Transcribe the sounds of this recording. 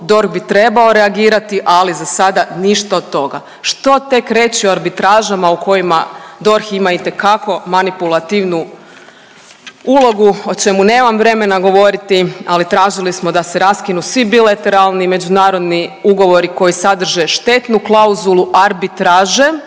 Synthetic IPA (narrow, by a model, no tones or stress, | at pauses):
d̪o̞ɾxbit̪ɾe̞bao̞ɾeaɡiːɾat̪iʔalizasad̪aniʃt̪aot̪ːo̞ɡa | ʃt̪o̞t̪e̞kɾe̞t͡ɕioaɾbit̪ɾaːʒamauko̞jimad̪o̞ɾximait̪e̞kako̞manipulˠat̪iʋnu | ulˠo̞ɡuo̞t͡ʃe̞mune̞ːmamʋɾe̞me̞naɡo̞ʋo̞ɾit̪ialit̪ɾaːʒilismo̞d̪aseɾaskinusʋibilat̪e̞ɾalˠnime̞d͡ʑunaːɾo̞d̪niuɡo̞ʋo̞ɾiko̞jisad̪r̩ʒe̞ʃt̪e̞t̪nuklˠauzulˠuʔaɾbit̪ɾaːʒe